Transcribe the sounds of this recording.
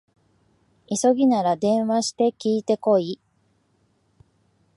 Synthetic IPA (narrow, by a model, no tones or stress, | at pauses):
iso̞ɡʲinaɾad̪ẽ̞ɰ̃βaɕi̥t̪e̞kʲiːt̪e̞ko̞i